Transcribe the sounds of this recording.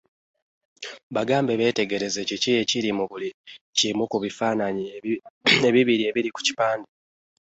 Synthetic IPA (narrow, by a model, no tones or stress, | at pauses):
βaɡaːmbeβe̞ːte̞ɡe̞ɾe̞ze̞cicije̞ciɾimuβulicimukuβifaːnaɲi | e̞βiβiɾie̞βiɾiku̥ci̥paːnde